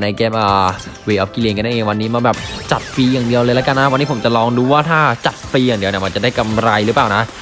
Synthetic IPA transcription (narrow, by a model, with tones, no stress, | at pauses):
na˧jkɛː˦˥m̚ʔəː˨˩ | wiː˧˩ʔɔː˦˥p̚ki˧li˧˩ŋka˧nːda˥˩ʔeː˧ŋwa˧nːiː˦˥maː˧bɛː˨˩p̚t͡ɕa˨˩t̪̚fiː˧jaː˨˩ŋdi˧əwlɤː˧la˦˥ka˧nːa˦˥wa˧nːiː˦˥pʰo˩˦mt͡ɕa˨˩lɔː˧ŋduː˧˦waː˥˩t̪ʰaː˥˩t͡ɕa˨˩t̪̚fiː˧jaː˨˩ŋdi˧əni˨˩ma˧nt͡ɕa˨˩daː˥˩jka˧mɾa˧jɾɯ˦˥paː˨˩na˦˥ʔ